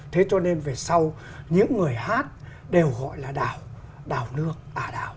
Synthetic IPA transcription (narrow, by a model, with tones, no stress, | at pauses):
t̪ʰe˨˦t͡ɕɔ˧ne˧nve˨˩sa˧w | ɲɨ̰˧˥ŋːɨ˨˩əjhaː˦˥t̚ | ɗe˨˩wɣɔ̰˧˨jlaː˨˩ɗaː˨˩w | ɗaː˨˩wnɨ˦˥ək̚ʔaː˨˩ɗaː˨˩w